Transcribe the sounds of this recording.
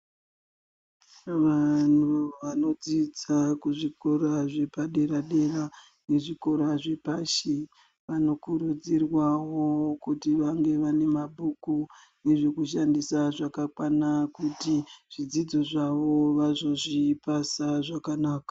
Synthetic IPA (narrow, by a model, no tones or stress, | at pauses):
ʋan̤uʋano̞d͡zid͡zakuʐiko̞ɾaʐe̞paɗe̞ɾaɗe̞ra | ne̞ʐiko̞ɾaʐe̞paʃe | ʋano̞kuɾud͡zirwawo̞kutiʋaŋɡe̞ʋane̞mabʱuku | ne̞ʐe̞kuʃandisaʐakakwanakutiʐ̥id͡zid͡zo̞ʐaʋo̞ʋazo̞ʐipasaʐakanaːkḁ